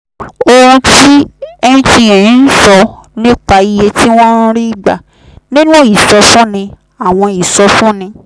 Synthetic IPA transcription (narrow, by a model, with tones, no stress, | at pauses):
o˧ũ˧ti˦ɛ˦˧nĩ˦tĩ˧˨ɛ̃˨ĩ˨˦n̩˦sɔ˧nĩ˦k͡pa˧i˧je˧tʰi˦w̃ɔ̃˦n̩˦ɾi˦i˨ɡ͡ba̰˨ | nĩ˦nũ˦i˨sɔ˧fũ˦nĩ˧ | a˨w̃ɔ̃˧i˨sɔ˧fũ˦nĩ˧